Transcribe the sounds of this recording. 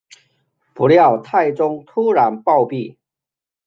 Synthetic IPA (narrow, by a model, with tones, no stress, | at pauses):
pu˨˦lja˥˨ʊt̪ʰa˥˨ɪt͡sʊ˦ŋt̪ʰu˦ɻa˨˧˦npɑ˥˧ʊpi˥˨